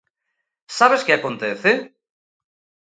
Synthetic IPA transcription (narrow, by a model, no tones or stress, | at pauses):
saβeskeakont̪eθe